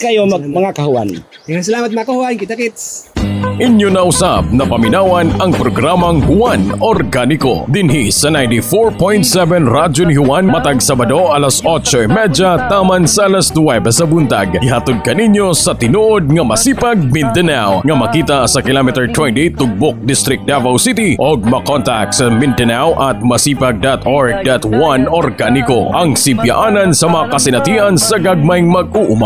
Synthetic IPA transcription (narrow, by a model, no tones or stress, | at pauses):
kɐjomɐmɐŋakɐhʊwanaŋasɐlaːmɐt̪̚mɐŋakɐhʊwankɪt̪akit̪ | ʔɪnjonɐʔʊsab̚nɐpɐmɪnaːwɐnɐŋpɾoɡɾamɐŋhʊwanoɾɡanɪko̰d̪ɪnɦisɐnajnt̪ifoɹpõjnt̪sɛvɛnɾad͡ʒonhʊwanmɐt̪aɡsɐbɐd̪oʔɐlasʔot͡ʃoʔɪmɛd͡ʒɐt̪aːmɐnsɐʔɐlast̪wɛbɛsɐbʊnt̪a̰ɡɡɪɦat̪od̪̚kɐniɲjosɐt̪ɪnuʔod̪̚ŋɐmɐsiːpɐɡ̚mɪnt̪ɛnawŋɐmɐkiːt̪ɐsɐkɪlomɛt̪ɛɹt̪wɛnt̪it̪ʊɡ̚bok̚d̪ɪst̪ɾɪk̚d̪avawsit̪iʔoɡ̚mɐkont̪ak̚t̪sɐmɪnd̪ɛnawʔɐt̪̚mɐsiːpɐɡ̚d̪at̪oɹɡ̚d̪at̪wanoɾɡanɪkoʔɐŋsɪmpja̰ʔaːnɐnsɐmɐŋakɐsɪnɐt̪iʔɐnsɐɡɐɡ̚majŋmɐɡʔuʔʊma